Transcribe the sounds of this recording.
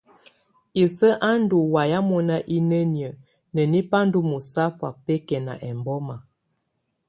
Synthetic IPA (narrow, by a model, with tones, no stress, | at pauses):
i˨sə˦ʔa˦n˦du˨wa˨ja˦mɔ˦na˦ʔi˦nə˦njə˨ | nə˨ni˦pa˦n˦du˦mu˨sa˦pwa˨pɛ˦kɛ˨na̰˨ʔɛ˨mbɔ˦ma˨